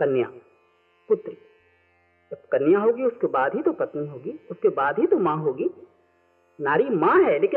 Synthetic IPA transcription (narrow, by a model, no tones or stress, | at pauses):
kɐnja̰ | pʊt̪ɾi | d͡ʒɐb̚kɐnjaɦoːɡiʊskebaːd̪ɦit̪opɐt̪niɦoːɡiːʊskebaːd̪ɦit̪omãɦoːɡiː | naːɾimãɦɛːleːkɪ